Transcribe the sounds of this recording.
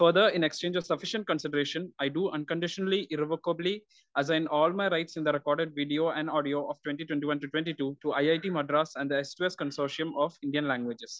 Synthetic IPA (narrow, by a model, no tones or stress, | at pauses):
fəɾd̪əɾɪ̃nekst͡ʃẽːnd͡ʒɔʋsɐfɪʃə̃ɳʈ̚kə̃nsɪɖəɾeːʃə̃naɪɖuːɐ̃nkə̃ɳɖɪʃənəliʔɪɾɪʋokəbli | æzãɪ̃nɔːlmaɪɾaɪʈsɪ̃nd̪əɾɛkɔːɾɖeɖ̚ʋiɖioːʔæ̃ɳɖɔːɖioːʔɔːʋʈwɛ̃ɳʈiʈwẽɳʈ̬iʋɐ̃nʈuʈwɛ̃ɳʈiʈuːʈuaɪaɪʈiːməɖɾasɛ̃nɖd̪əesʈueskə̃nsoːʃiə̃mɔːʋɪ̃ɳɖijə̃nlæ̃ŋɡʋɪd͡ʒɪs